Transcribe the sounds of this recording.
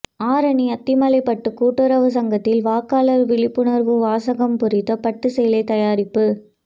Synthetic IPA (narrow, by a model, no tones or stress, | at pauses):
aːɾɐɳiɐt̪ːɪmɐlɐɪpɐʈːɯkuːʈːɯɾɐʋɯs̬ɐŋɡɐt̪ːɪlʋaːkːaːlɐɾʋɪɭɪpːɯɳɐɾʋɯʋaːsɐɣɐmpʊɾɪt̪ːɐpɐʈːɯsɛjlɐɪt̪ɐjaːɾɪpːɯ